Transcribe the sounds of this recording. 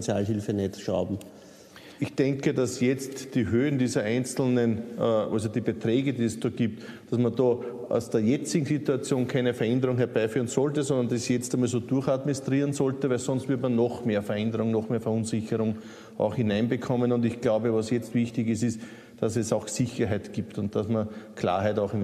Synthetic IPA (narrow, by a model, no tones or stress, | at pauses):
t͡sja̰ːlɦilfənɛtʃa̰ʊbm̩ | ɪçd̥ɛ̃ŋkədasjɛt͡std̥iːɦøːəndiːzɐʔæɪ̃nt͡sl̩nənʔalzod̥iːbetʁɛːɡədiːɛsd̥ɔːɡ̥iːp̚t | d̥asmɐndɔːʔa̰ʊsd̥eːɐjɛt͡sɪɡŋ̩situat͡sjoːnkʰæɪnəfɛɐɛndɐʁʊŋhɛɐb̥æɪfyːɐənzɔltəsɔ̃ndɐndisjɛt͡stamalsoːd̥uɐxatmɪnstʁiːʁənzɔltəvæɪlsɔ̃nstv̥ɪɐtmɐnːɔxmeːɐfɛɐɛ̃ndəʁʊŋnɔxmeːɐfɛɐunzɪçəʁʊŋ | ʔa̰ʊxhɪnæɪnbəkʰɔmənʊ̃ndɪçɡ̥laʊbəvasjɛt͡stv̥içtɪçɪsɪs | d̥asɛsɑʊxsɪçɐɦæɪtɡ̥iːptʊnt̚d̥asmɐkʰla̰ːɐɦæɪtɑʊxɪm